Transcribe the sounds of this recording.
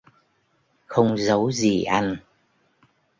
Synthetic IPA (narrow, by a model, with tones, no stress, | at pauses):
xə˧wŋ͡mzə˨˦wzi˨˩ʔa˧jŋ̟